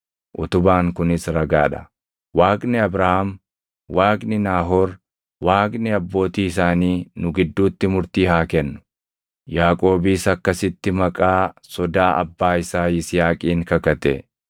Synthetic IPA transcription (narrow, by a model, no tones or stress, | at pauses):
ʔʊt̪ʊbaːŋkʊnɪsɾɐɡaːᶑɐ̥ | waːkʼnɪɐbɾɐham | waːknɪnaːɦoɾ | waːkʼnɪɐbːo̞ːt̪iːɪs̬aːniːnʊɡɪd̪ːuːt̪ːɪmʊɾt̪iːhaːkɛnːʊ̥ | jaːkʼo̞ːbiːsɐkːɐsɪt̪ːɪmɐkʼaːsɔd̪aːʔɐ̰bːaːɪsaːɪsɪjaːkʼiːŋkɐkɐt̪ḛ